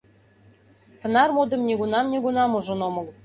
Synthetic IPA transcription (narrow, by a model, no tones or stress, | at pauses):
t̪ɤ̆nɑrmod̪ɤ̆mnʲeɡunɑmnʲeɡunɑmuʒɤ̆nomɤ̆l